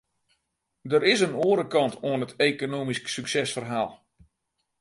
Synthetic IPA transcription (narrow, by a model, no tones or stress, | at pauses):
dəɾɪsənoəɾəkɑntʰoənətʰeːkonoːmisksyksɛsfərɦaːlˠ